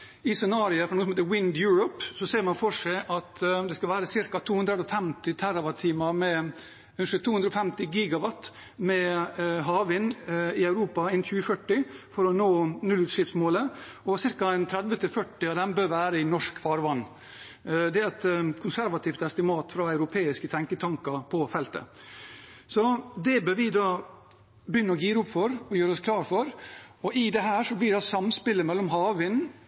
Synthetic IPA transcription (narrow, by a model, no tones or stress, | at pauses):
ɪsɛnɑːɾɪəfɔɾɑnuːəsmheːt̪əwɪnd̪jʉːɹɔpsɔseːɾmɑnfɔʂæɪʔɑt̪d̪ɛskɑlʋæːɾəsɪɾkɑt̪ʰuːhʉnd̪ɾəɔfɛmt̪ɪt̪ʰæɾɑʋɑt̪ʰːiːmɑɾmɛ | ʉnəʂɛt̪ʰuːhʉnɾɔfɛmt̪ɪɡiːɡɑʋɑt̪ | mɛɦɑːʋɪnɪœʉɾuːpɑɛnçʉːəfœʈːɪfɔɾɔnoːnʉlʉːt̪ʂɪft̪smoːləɔsɪɾkɑɛnt̪ʰɾɛd̪ʋət̪ʰɪlfœʈːɪɑd̪ɛmbøːɾʋæːɾəɪnɔʂkfɑːɾʋɑnː | d̪ɛæɾɛt̪kʰʊnsæɾʋɑt̪ʰiːft̪ɛst̪ɪmɑːt̪fɾɑːɑʉɾʊpʰeːɪskət̪ʰɛŋkət̪ʰɑŋkɑpʰɔfɛlt̪ə̰ | sɔd̪ɛbœɾʋɪd̪ɑː | bjʏnːəɾɔɡiːɾəʊpfɔɾɔjøːɾəɔskʰlɑːɾfɔɾɔʔɪd̪ɛɦæːʂɔblɪɖɑsɑmspɪlːəmɛlːɔmɦɑːʋɪn